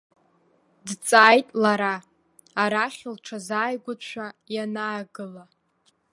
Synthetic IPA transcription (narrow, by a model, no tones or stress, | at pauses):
dt͡sʼaːjtʼlaɾaː | ɾaχʲɪlʈ͡ʂʰazaːjɡʷʊʃʷᶣajanaːɡɨla